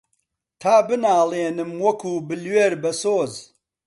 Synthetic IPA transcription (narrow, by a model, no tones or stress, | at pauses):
t̪ʰaːbɨnaːlˠeːnɨmwɐkʰuːbɨlweːɾbɐsoːz